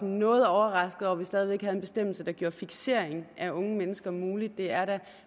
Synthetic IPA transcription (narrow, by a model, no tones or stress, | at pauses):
nːɔ̽ːð̞̩ˠɒʊɐʁɑ̈sɡ̥ð̩ˠɒʋisd̥ɛːðˠiʋeɡ̥hæð̩enb̥e̝sd̥em̰l̩səd̥ɑ̈ɡ̥jo̝ɐfiɡ̥se̝ɐ̰eŋʔæʔɔ̽ŋəmenəsɡ̥ɐmuːlid̥̚ːe̝æɐɾæ